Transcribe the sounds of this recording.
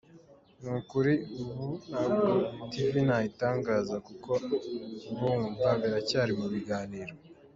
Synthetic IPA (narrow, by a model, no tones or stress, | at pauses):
nukuɾiuβunabɡotivinaitaːŋɡaːzakuko | βomupaβeɾacaːɾimuβiɡaːniːɾo